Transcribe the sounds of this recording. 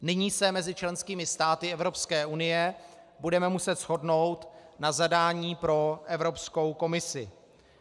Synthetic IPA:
nɪɲiːsɛmɛzɪt͡ʃlɛnskiːmɪst̪aːt̪ɪɛvɾo̞pskɛːʔunɪjɛ | budɛmɛmusɛt̪sɦo̞dno̞wt̪nazadaːɲiːpɾo̞ʔɛvɾo̞psko̞wko̞mɪsɪ̰

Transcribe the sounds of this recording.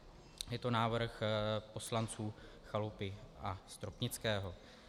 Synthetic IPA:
jɛt̪o̞naːvr̩xpo̞slant͡suː | xalupɪʔast̪ɾopɲɪt͡skɛːɦo̞

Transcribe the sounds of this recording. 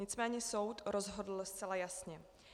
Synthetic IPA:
ɪt͡smɛːɲɛso̞wt̪ɾo̞zɦo̞dl̩st̪t͡sɛlajasɲɛ

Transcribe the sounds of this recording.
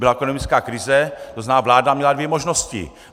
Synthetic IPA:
bɪlaɛkonomɪt͡skaːkɾɪzɛt̪oznaːvlaːdamɲɛladvjɛmoʒnoscɪ̰

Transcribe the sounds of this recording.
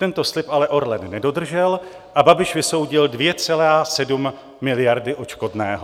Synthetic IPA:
t̪ɛnt̪o̞slɪpalɛʔo̞ɾlɛnnɛdo̞d̪r̩ʒɛl | ʔababɪʃvɪso̞wɟɪldvjɛt͡sɛlaːsɛdumː | ɪlɪjaɾdɪʔo̞t͡ʃko̞dnɛːɦo

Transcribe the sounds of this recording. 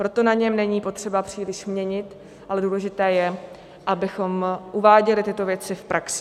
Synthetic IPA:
pɾo̞t̪o̞naɲɛmnɛɲiːpo̞t̪r̥ɛbapr̝̥iːlɪʃmɲɛɲɪt̪ | ʔalɛduːlɛʒɪt̪ɛːjɛ | ʔabɪxo̞mʔuvaːɟɛlɪt̪ɪt̪o̞vjɛt͡sɪfpɾʔaksɪ̥

